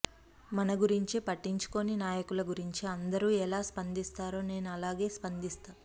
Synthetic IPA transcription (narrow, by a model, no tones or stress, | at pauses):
mɐnɐɡuɾiɲt͡ʃipɐʈːiɲt͡ʃu̥ko̞ninaːjɐkulɐɡuɾiɲt͡ʃiɐnd̪ɐɾuːɛlaːspɐnd̪ist̪aːɾo̞ːne̞ːnuɐlaːɡe̞ːspɐnd̪ist̪aː